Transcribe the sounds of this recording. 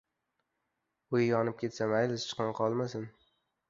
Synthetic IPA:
ʊjjɒnɪp̚kʲʰe̞t̪samajlɪst͡ʃʰɨ̥qɨnqʰɒlˠmasɪn

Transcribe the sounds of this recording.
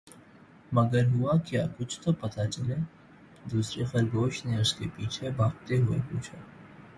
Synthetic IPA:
mɐɡəɾɦʊakjaːkʊt͡ʃʰt̪opɐt̪at͡ʃɐleː | d̪uːsɾexɐɾɡoːʃneʊskepiːt͡ʃʰebaːk̚t̪eɦʊḛpuːt͡ʃʰaː

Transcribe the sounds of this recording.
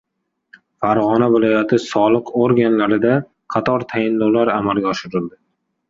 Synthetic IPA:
faɾʁɒnavɪlɒjat̪ʰɪsɒlˠɨqoɾɡʲanlaɾɪd̪a | qʰɑt̪ʰɒɾt̪ʰajɪnːowlaɾamalˠɡʲaɒʃɪɾɪld̪ɪ

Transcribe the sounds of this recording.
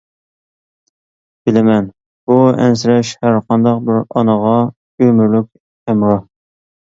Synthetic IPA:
b̥ɪlɪmɛn | buɛ̰nsɪɾɛʃhæɾqʰɑnd̪ɑq̚bɪɾɑnəʁɑ | ømɪɾlykʲ | æmɾɑ

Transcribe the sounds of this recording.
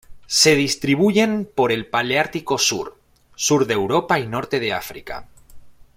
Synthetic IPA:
se̞ð̞ist̪ɾiβ̞uʝe̞mpo̞ɾe̞lpaleaɾt̪iko̞sṵɾ | suɾðe̞wɾo̞paino̞ɾt̪e̞ð̞e̞a̰fɾḭka̰

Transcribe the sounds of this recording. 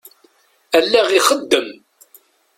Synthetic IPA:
ælːæʁiχəd̪ːəm

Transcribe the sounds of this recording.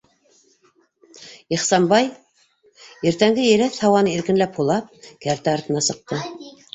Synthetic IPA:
iχsɑmbɑj | iɾt̪æŋɡɘjɘ̆ɾæθhɑwɑnɤiɾkɘ̆nlæphulˠɑp̚kæɾt̪æɑɾt̪ɤ̆nɑsɤ̆q̚t̪ɤ

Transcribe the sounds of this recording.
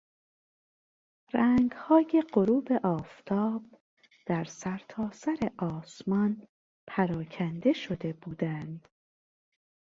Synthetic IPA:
ɾæŋɡhɒːje̞ɢo̞ɾuːbe̞ʔɒːft̪ʰɒːb̥ | d̪̥æɾsæɾt̪ʰɒːsæɾeʔɒːsmɒn | pʰæɾɒːcʰænd̪e̞ʃo̞d̪e̞buːd̪ænd̪̥

